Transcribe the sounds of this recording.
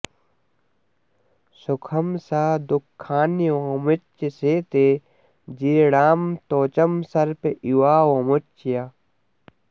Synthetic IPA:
sukʰɐmsaːd̪ukʰːaːniwõːmut͡ʃːeseːt̪eː | d͡ʒiːɾɽaːmt̪oːt͡ʃɐmsɐɾpeʔiwaːwomut͡ʃijaː

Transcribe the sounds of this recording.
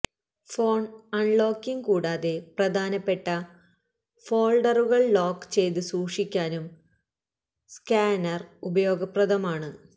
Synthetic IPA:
fo̞ːɳɐɳɭo̞ːkːiŋkuːɽaːðe̞prɐd̪ʱaːnɐpːe̞ʈːɐ | fo̞ːɭɖɐruɣɐɭɭoːkːt͡ɕe̞jt̪ɨsuːkʂikʲːaːnum | skaːnɐrubɐjo̞ːɡɐprɐd̪ʱɐmaːɳɨ

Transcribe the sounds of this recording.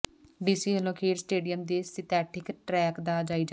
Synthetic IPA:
ɖiːsiːəloːkʰeːɖsʈeːɖijəmd̪eːsɪt̪ɛːʈʰɪkʈɾɛːkd̪aːd͡ʒaːiːd͡ʒa

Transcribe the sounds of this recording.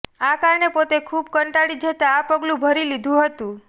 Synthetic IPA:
akaɾɳepot̪ekʰubkəɳʈaɽid͡ʒʱət̪aːpəɡlũbʱəɾilid̪ʱũɦət̪ũ

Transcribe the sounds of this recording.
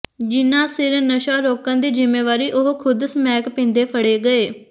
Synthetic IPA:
d͡ʒɪnːãːsɪɾnəʃaːɾoːkãːd̪iːd͡ʒɪmːeːʋaːɾiːʔʊɦkʰʊd̪smɛːkpɪ̃ːnd̪eːpʰəɽeːɡəeː

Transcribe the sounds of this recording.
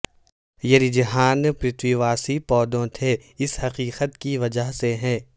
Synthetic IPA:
jɐɾɪd͡ʒɦaːnpɾɪt̪wiʋaːsipɔːd̪õt̪ʰeɪshɐqiːqət̪kiʋɐd͡ʒəɦseɦɛ̃ː

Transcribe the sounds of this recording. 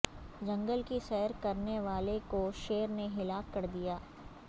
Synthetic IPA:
d͡ʒɐ̃ŋɡəlkisɛːəɾkɐɾneʋaːlekoʃeːəɾneɦɪlaːkːɐɾd̪ijaː

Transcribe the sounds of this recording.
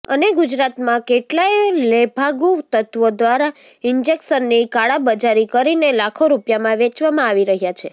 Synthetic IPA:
ə̰neɡud͡ʒɾat̪mãkeʈlaelebʱaɡut̪ət̪ʋod̪ʋaɾa | ɪɲd͡ʒeksənːikaɭabəd͡ʒaɾikəɾinelakʰoɾupjamãʋet͡ʃʋamãaʋiɾəɦjat͡ʃʰe

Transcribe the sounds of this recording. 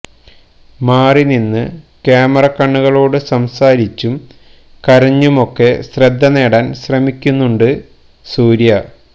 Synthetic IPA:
maːrininːɨ | kaːmɐrɐkːɐɳːuɣɐɭo̞ːɽɨsɐmsaːɾit͡ɕːum | kɐɾɐɲːumo̞kːe̞srɐd̪ːɐne̞ːɽaːnɕrɐmikʲːunːuɳɖɨ | suːɾjɐ

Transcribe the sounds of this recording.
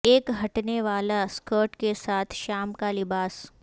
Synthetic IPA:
eːkɦɐʈneʋaːlaskəːɾʈkesaːt̪ʰʃaːmkalɪbaːs

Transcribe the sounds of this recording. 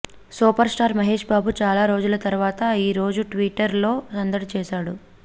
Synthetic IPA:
suːpɐɾsʈaːɾmɐɦeːʂbaːbut͡ʃaːlaːɾo̞ːd͡ʒulɐt̪ɐɾuʋaːt̪ɐiːɾo̞ːd͡ʒuʈʋiːʈːɐɾlo̞ːɐnd̪ɐɽt͡ʃɛːʃaːɽu

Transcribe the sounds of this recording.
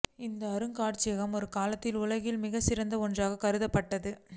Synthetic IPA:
ɪnd̪ɐːɾɯŋkaːʈt͡ʃɪjɐɣɐmɔɾɯkaːlɐt̪ːɪlʊɭɐɣɪlmɪɣɐsɪɾɐnd̪ɐɔndraːɣɐkɐɾɯðɐpːɐʈːɐðɯ

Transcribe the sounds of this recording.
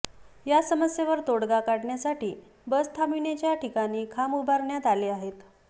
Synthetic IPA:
jasəməsjeʋəɾt̪oɽɡakaɽɳjasaʈiː | bəst̪ʰamiɳet͡ɕjaʈikañiːkʰamubʱaɾɳjat̪aliːaɦet̪

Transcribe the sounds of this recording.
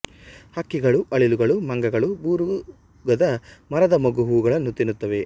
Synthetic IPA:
hɐkːiɡɐɭuʔɐɭiluɡɐɭumɐŋɡɐɡɐɭubuːɾu | ɡɐd̪ɐmɐɾɐd̪ɐmɐɡuɦuːɡɐɭɐnːut̪inut̪ːɐʋe̞

